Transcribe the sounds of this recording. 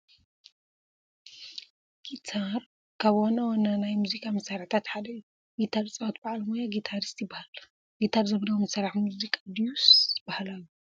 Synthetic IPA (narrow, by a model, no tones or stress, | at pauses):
ɡ̥it̪ʰaɾ | kʰaβonɐwonanajmuzikʼʰamɐsaɾħt̪ʰat̪ħad̪ɐjːu | ɡit̪ʰaɾt͡sʼɐwat̪baʕalmojaɡit̪ʰaɾist̪jɪbahal | ɡit̪ʰaɾzɐβlɐwomɐsaɾaħmuzikʼad̪ijusb̥ahalajːu